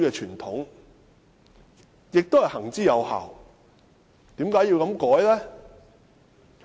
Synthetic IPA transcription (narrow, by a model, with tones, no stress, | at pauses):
kɛː˧t͡ʃʰyː˨˩nt̪ʰʊ˨˥ŋ | jɪ˨k̚t̪o˥whjhɐ˨˩ŋt͡siː˥jɐ˨˧wha̰ː˨˩w | t̪iː˨˥mkaː˨˥ji˧wkɐ˨˧˥mkɔː˨˥jlɛː˥